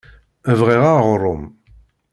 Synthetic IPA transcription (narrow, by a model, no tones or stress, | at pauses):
əvʁiʁaʁɾˤːʊm